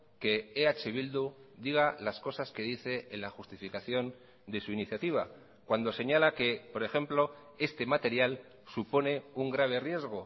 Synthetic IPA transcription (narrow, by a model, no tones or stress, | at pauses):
ke̞ːat͡ʃeβ̞ild̪ud̪iɣ̞alasko̞saske̞ðiθe̞ʔːnlaxust̪ifikaθjo̞n | d̪e̞suiniθjat̪iβ̞a | kwand̪o̞se̞ɲalake̞po̞ɾe̞xe̞mplo̞ | e̞st̪e̞mat̪e̞ɾjal | supo̞ne̞uŋɡɾaβ̞e̞rje̞zɣ̞o̞